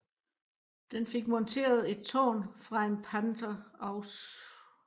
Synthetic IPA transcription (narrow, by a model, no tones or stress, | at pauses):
d̥enfe̝ɡ̥̚mɒ̽nt͡sʰe̝̰ːɐð̞̩ˠe̝d̥̚t͡sʰo̰ːnfʁɑ̈e̝npʰænt͡sʰɐɒʊs